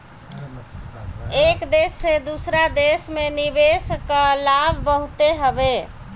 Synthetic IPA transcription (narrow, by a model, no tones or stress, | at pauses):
ekd̪esːed̪usɾad̪esmenibeskəlabʱbəɦut̪eɦəbe